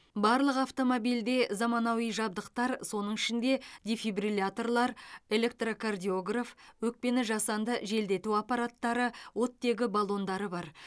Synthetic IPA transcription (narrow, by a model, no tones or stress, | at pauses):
bɑɾlˠəqɑft̪o̞mo̞bijld̪e̞zɑmɑnɑwijʒɑb̚d̪əqt̪ɑɾso̞nəɴɪʃɪnd̪e̞d̪ʲefibrilʲat̪o̞rlˠɑɾe̞le̞k̚t̪rokʰard̪ʲijo̞ɡrafwɵk̚pe̞nɪʒɑsɑnd̪əʒe̞ld̪e̞t̪uɑpɑɾat̪ːɑɾəwʔo̞t̪ːe̞ɡʲɪbalˠo̞nd̪ɑɾəbɑɾ